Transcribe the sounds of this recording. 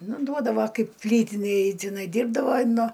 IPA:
ˈnʊ ˈduɔdɐʋɐ ˈkɐɪp ˈpʲlʲiːtʲɪnʲeːj tʲɪˈnɐɪ ˈdʲiːrbdɐʋɐɪ ˈnʊ

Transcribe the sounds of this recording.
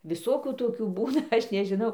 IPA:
ʋʲɪˈsoːkʲuː ˈtoːkʲuː ˈbuːnɐ ˈɐʃ nʲɛʒʲɪˈnɐʊ

